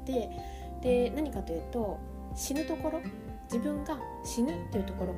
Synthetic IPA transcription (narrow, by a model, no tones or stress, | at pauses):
t̪e̞ | d̪̥e̞naɲ̟ikat̪o̞jɯ̟ːt̪o̞ | ɕinɯ̟t̪o̞ko̞ɾo̞ | d͡ʑibɯ̟̃ŋɡa | ɕinɯt̪ːeiɯ̟t̪o̞ko̞ɾo̞